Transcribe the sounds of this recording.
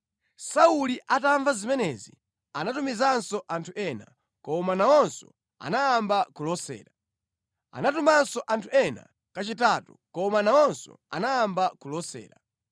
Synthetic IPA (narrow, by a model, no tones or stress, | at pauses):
sauliʔataɱvazimɛnɛzḭ | anatumizansɔʔantʰuʔɛna | kɔmanawɔnsɔ̰ | a̰najambakulɔsɛ̰ːɾa | a̰natumansɔʔantʰuɛna̰ | kat͡ʃitatṵkɔmanawɔnsɔ̰a̰najambakulɔsɛ̰ːɾa